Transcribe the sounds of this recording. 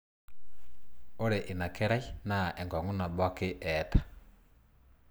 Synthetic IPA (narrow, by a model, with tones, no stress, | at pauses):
o˦ɾɛ˨ʔi˨na˨kɛ˦ɾa˦i˦na˦˨ʔɛ˨ŋɡɔ˨ŋu˦na˨ɓa˦ke˦ʔɛtḁ˨